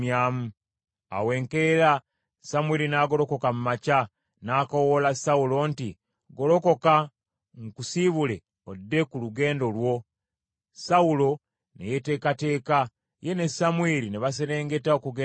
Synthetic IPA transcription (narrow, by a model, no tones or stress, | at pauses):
maːmu | a̰we̞ːŋke̞ɾa | samueɾinaːɡo̞ɾo̞ko̞kamumaca | naːkowolasaulo̞nti | ɡo̞lo̞ko̞ka | ŋkusiβule̞ | odːe̞kuluɡe̞ːndo̞lwo̞ | saulo̞ | nḛjete̞ːkate̞ːka | je̞ne̞samwiɾineβas̬eɾe̞ːŋɡe̞taokuɡ